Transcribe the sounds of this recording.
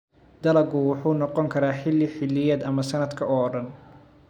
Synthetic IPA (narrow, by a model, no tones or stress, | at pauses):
d̪ɐlɐɡʊwʊħuːnɔqɔŋkʰɐɾaːħɪlːɪħɪlːɪjɐːd̪ɐmɐsɐnɐd̪kʰɐɔːɽɐn